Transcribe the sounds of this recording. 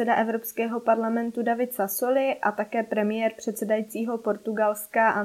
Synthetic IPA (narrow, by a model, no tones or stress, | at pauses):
ɛdaʔɛvɾo̞pskɛːɦo̞paɾlamɛnt̪udavɪt̪saso̞lɪʔat̪akɛːpɾɛmɪjɛɾpr̝̥ɛt̪sɛdajiːt͡siːɦo̞po̞ɾt̪uɡalskaʔa